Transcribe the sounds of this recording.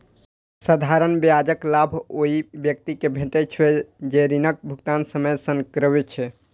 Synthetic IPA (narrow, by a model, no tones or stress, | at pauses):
səd̪ʱaɾənbjad͡ʒəklabʱoibjək̚t̪ikebʱeʈɛt͡ʃʰwɛd͡ʒeɾinək̚bʱukt̪ansəmejsəŋkɾəbet͡ʃʰɛ